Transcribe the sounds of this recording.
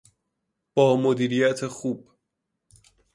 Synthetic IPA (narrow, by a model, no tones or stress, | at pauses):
b̥ɒːmod̪iːɾijæt̪ʰexuːb